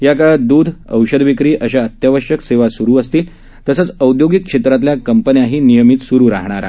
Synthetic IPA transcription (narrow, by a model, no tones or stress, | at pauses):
jakəɭəd̪uːd̪ʱə̰wɕəd̪ʋikɾiːʔəɕaət̪jaʋəɕjəkseʋasuɾuːəst̪iːl | t̪əsəːt͡səwd̪joɡikʂet̪ɾat̪ljakəmpənjaɦiːnijəmiːt̪suɾuːɾa̰ɦɳ̃aɾa